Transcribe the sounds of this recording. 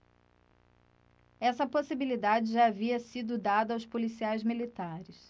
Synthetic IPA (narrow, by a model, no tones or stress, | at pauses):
ɛsɐposibilid̪ad͡ʒɪʒaːviɐsid̪ʊd̪ad̪ɐːwspolisiajzmilit̪aɾɪs